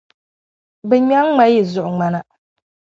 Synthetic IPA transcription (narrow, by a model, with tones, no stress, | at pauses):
bɛ˨ɲa˦ŋːa˦ji˨zʊ˨ʔʊ˨ŋ͡ma˦na˦